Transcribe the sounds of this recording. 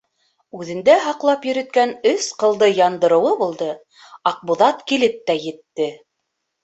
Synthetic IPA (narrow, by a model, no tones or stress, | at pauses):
ʉðɘ̆nd̪æɦɑqlˠɑpjɵ̆ɾɵ̆t̪̚kænɵsqɤ̆lˠd̪ɤjɑnd̪ɤ̆ɾɤ̆wɤbulˠd̪ɤ | ɑq̚buðɑt̪kilɘp̚t̪æjɘ̆t̪ːɘ